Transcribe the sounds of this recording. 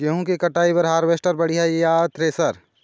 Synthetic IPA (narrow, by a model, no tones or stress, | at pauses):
eɦũkikɐʈaːibɐɾɦaːɾʋeːsʈəɾbɐɽiɦajaːt̪ɾesɐɾ